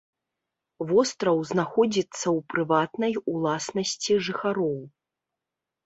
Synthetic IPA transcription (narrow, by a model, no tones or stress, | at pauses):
vɔst̪ɾɐwznaxɔd͡zʲit̪sːɐwpɾɨvat̪nɐjulˠasnɐsʲt͡sʲiʐɨxaɾɔw